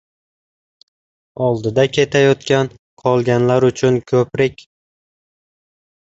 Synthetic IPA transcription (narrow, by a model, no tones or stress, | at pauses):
ɒlˠd̪ɪd̪akʲʰe̞t̪ʰajɒt̪kʲan | qʰɒlˠɡʲanlaɾʊt͡ʃʰʊnkʰɵpɾɪkʲ